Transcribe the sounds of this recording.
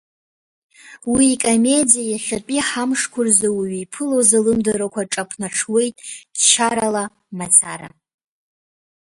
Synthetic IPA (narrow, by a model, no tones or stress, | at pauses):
wiːkʼome̞dijajaχʲat͡pʼiħamʂkʷʰʊrzawiɥjpʰɨlozalɨmdaɾakʷʰaʈ͡ʂʼapʰnaʈ͡ʂʰwe̞jtʼd̥t͡ʃʰaɾala | mat͡sʰaɾa̰